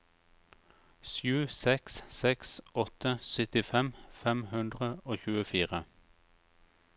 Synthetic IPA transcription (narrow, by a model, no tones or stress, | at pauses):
sjʉːsɛkssɛksʔɔt̪əsœt̪ɪfɛmfɛmhʉnd̪ʁəoːçʉːəfiːʁə